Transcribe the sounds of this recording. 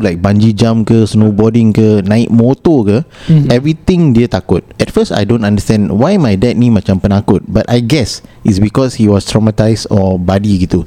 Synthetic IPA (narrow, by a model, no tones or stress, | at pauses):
lajk̚bãnd͡ʒid͡ʒãmkəsnobɔdĩŋkənãɪt̚mot̪okəɛvɹit̪ĩŋdiət̪akʊt̚ɛtfəsta̰jdõntãndəstɛ̃nwajmajdɛt̚nĩmat͡ʃãmpənakut̚batajɡɛsitsbikɔshiwɔstɹɔmatajstɔbadiɡit̪u